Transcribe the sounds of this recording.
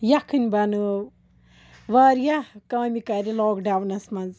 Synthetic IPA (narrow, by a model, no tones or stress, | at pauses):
jɐkʰɨnʲbɐnɨ | ʋaːɾjɐkaːmikɐɾiloːkɖawnɐsmɐnz